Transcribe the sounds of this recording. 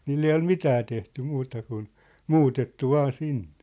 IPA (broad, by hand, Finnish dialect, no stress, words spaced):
niːlː ei ol mitæː tehty muːtɑ kun muːtetːu ʋɑː sinːe̥